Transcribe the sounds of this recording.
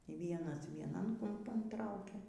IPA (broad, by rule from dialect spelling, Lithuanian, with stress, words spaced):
iː ˈʋʲiɛnɐs ʋʲiɛˈnɐn kʊmˈpɐn ˈtrɐʊkʲɛ